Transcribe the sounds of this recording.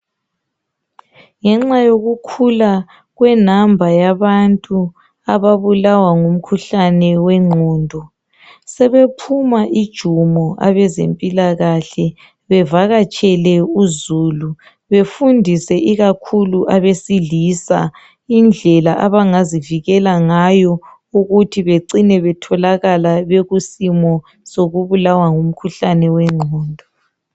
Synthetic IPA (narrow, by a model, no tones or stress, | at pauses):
ŋɛŋ͡ǁajoɣukʰula | ɣwɛnambʱajaβantʼu | aβaβulawaŋum̩kʰuɬanɛwɛŋ͡ǃʱɔːndʱɔ | sɛβepʰumaʔid̥ʒ̥ʱumɔʔa̰βɛzḛmpʼilaɣaɬɛ | βɛvaɣat͡ʃʼɛlɛuzuːlu | βefundʱisɛʔiɣakʰuluʔaβesiɮisa̰ | ind͡ɮʱɛlaʔaβaŋaziviɣɛlaŋajɔ | uɣutʰiβeǀinɛβɛtʰɔlaɣalaβeɣusimɔ | soɣuβulawaŋum̩kʰuɬanɛwɛŋ͡ǃʱɔːndʱɔ